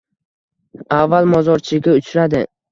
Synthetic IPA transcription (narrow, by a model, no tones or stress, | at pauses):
avːalˠmɒzɒɾt͡ʃʰɪɡʲaʊt͡ʃʰɾad̪ɪ